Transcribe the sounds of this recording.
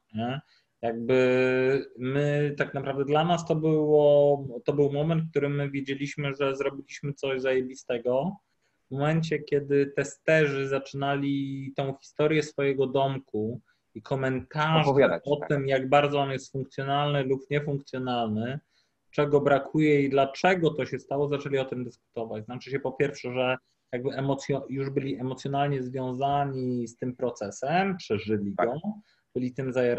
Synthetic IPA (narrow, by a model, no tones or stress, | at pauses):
ɲɛ | jaɡ̚bɘ | mɘt̪aknapɾavd̪ɛd̪lanast̪ɔbɘwɔt̪ɔbɘwmɔmɛnt̪̚k̚t̪uɾɘmːɘvʲjed͡ʑelʲiɕmɘʐɛzɾɔbʲilʲiɕmɘt̪sɔʑzajɛbʲist̪ɛɡɔ | vmɔmɛnt͡ɕɛkʲɛd̪ɘt̪ɛst̪ɛʐɘzat͡ʂɘnalʲit̪ɔ̃w̃xʲi̥st̪ɔɾjɛsfɔjɛɡɔd̪ɔmku | ikʰɔmɛnt̪aʐvaaɔt̪ɘmjaɡbaɾd̪zɔɔnjɛst̪fuŋkt̪sʲjɔnalnɘlupɲɛfuŋk̚t̪sʲjɔnalnɘ | t͡ʂɛɡɔbɾakʰujɛid̪lat͡ʂɛɡɔt̪ɔɕɛst̪awɔzat͡ʂɛlʲiɔt̪ɘmd̪ɘsku̥t̪ɔvat͡ɕznat͡ʂɘɕɛpɔpʲjɛɾfʂɛʐɛ | jaɡ̚bɘʔɛmɔt̪sʲjɔjuʐbɘlʲiɛmɔt̪sʲjɔnalɲɛzvʲjɔ̃w̃zaɲist̪ɘmpɾɔt̪sɛsɛmpʂɛʐɘlʲiɡɔ | bɘlʲit̪ɘmzajaɾ